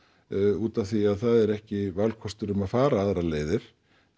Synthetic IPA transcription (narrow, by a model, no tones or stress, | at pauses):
uːt̪aθviaðθaðɛɾɛhcɪvalkʰɔst̪ʏɾʏmaðfaːɾaaðɾaleːjðɪɾ̥